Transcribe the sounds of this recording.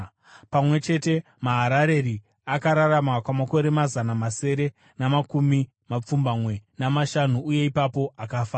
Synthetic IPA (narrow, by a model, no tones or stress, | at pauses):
pamwe̞t͡ʃe̞te̞ | maɦaɾaɾe̞ɾi | akaɾaramakwamako̞ɾe̞mazanamase̞ɾe̞ | namakumi | map͡fumbamwe̞namaʃanuːje̞ipapo̞akafaː